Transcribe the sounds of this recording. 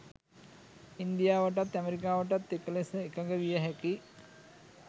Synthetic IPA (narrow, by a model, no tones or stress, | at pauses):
ind̪ijaːʋəʈat̪ːæmeɾik̬aːʋəʈat̪ːekəlesəekaŋɡəʋijəɦæki